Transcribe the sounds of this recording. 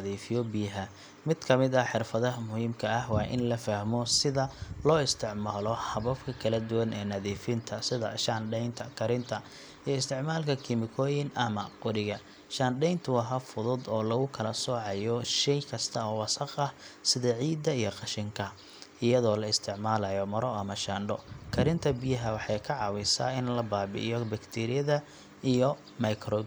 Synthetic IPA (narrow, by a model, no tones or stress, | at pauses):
ɐðiːfɪjɔbiːɦɐ | mɪd̪̥kʰɐmɪd̪ɐħɪrfɐðɐmʊhiːmkʰɐɐhwɑːʔɪ̰nlɐfɐhmɔsɪðɐlɔːɪst̪ʰɪʕmaːlɔħɑβɐfkʰɐkʰɐlɐd̪ʊwɐnɛːnɐðiːfɪnt̪ʰɐsɪðɐ̰ʃaːnɖɛjnt̪ʰɐkʰɐɾɪnt̪ʰɐ | iɪst̪ʰɪʕmaːlkʰɐkʰɪmɪkʰɔːjɪnʔɐmɐqʊɾɪɣɐ | ʃaːnɖɛjnt̪ʰʊɐɦɐfʊðʊd̪ɔːlɐɣʊkʰɐlɐsɔːʕɑjɔʃɛjkʰɐst̪ʰɐɔːwɑsɑqɐsɪðɐʕiːd̪ɐijɔqɑʃɪŋkʰɐ | ɪjɐðɔːlɐɪst̪ʰɪʕmaːlɐjɔmɐɾɔɐmɐʃaːɳɖɔkʰɐɾɪnt̪ʰɐbɪjɐɦɐwɑħɑjkʰɐʕɑwɛsa̰ːɪnlɐbaːbɪ̰ʔɪ̰jɔbɐkt̪ʰɛːɾɪjɐðɐ | ijɔ | mɐjkʰɾɔːd̪